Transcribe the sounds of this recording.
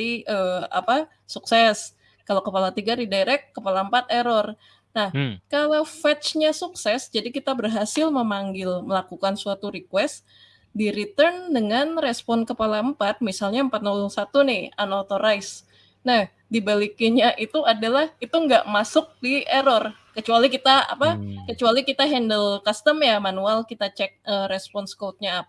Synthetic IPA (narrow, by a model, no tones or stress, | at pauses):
iəa̰pa | suksɛs | kalakəpalat̪iɡadidajɾɛkːəpalaəmpat̪̚ɛɾɔr | nahkalawfɛt̪t͡ʃɲasuksɛsd͡ʒadikit̪abərɦasɪlməmaŋɡɪlməlakukansuat̪uɾikwɛst̪ | diɾit̪ərndəŋanrɛspɔnkəpalaəmpat̪̚misalɲaəmpat̪̚nalɔŋsat̪unɪhanot̪oɾajs | nah | dibalikiɲaʔit̪uadalahit̪uŋɡaʔmasʊk̚diʔɛɾɔr | kət͡ʃualikit̪aa̰pakət͡ʃualikit̪aɦɛndəlkast̪əmjamanualkit̪at͡ʃɛk̚əɾɛspɔnskot̪̚ɲaːp̚